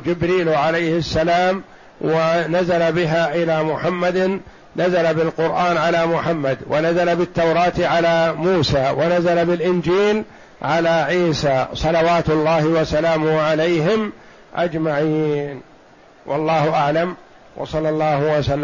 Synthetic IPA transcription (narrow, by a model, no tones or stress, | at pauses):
d͡ʒɪbɾiːlʕalajhɪsːalaːm | wanazalabɪɦaːʔɪlaːmʊħamːad̪ | nazalabɪlqʊɾʔaːnʕalaːmʊħamːad̪wanazalabɪt̪ːawɾˤɑːt̪ʕalaːmuːsaːwanazalabɪlʔɪnd͡ʒiːl | ʕalaːʕiːsaːsˤɑlɑwaːt̪ʊlˤːɑːhɪwasalaːmʊhʕalajɦɪm | ʔa̰d͡ʒmaʕiːn | wʔɑ̰lˤːɑːhʊʔaʕlam | wʔɑ̰sˤɑlːɑlˤːɑːhʊwasalː